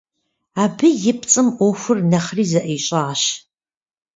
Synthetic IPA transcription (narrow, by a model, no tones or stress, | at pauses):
aːbɨjɪpʰt͡sʼɨmoxʷʊrnɐχriːzɐʔeːɕʼaːɕ